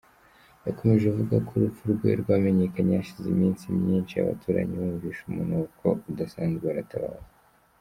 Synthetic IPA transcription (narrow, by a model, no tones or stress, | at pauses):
jako̞meʒeuvuɡakʰoɾufuɾɡwḛɾɡwaːmeɲekaɲeaʃizimiːnsimɲiːnt͡ʃia̰βa̰tʰuːɾa̰ɲiβuviːʃumunokʰo̞̰udasaːnzɡeaɾataβa̰o